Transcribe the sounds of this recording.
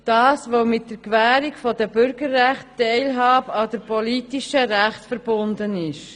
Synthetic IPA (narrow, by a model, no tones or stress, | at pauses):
d̥ɑːsʋoʊmɪt̚d̥əɾkʋæːɾikfɔdɛbʏɾɡəɾːæχttɛɪlɦɑːbɑdəɾpɔliːtiʃəɾæχtfəɾb̥ʊnd̪ənɪʃ